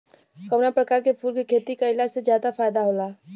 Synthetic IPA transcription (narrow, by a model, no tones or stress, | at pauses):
kɐʋnapɾɐkaːɾkepʰuːɾkikʰeːt̪ikaɪlaːd͡ʒsezjaːd̪afaːjd̪aɦoːlaː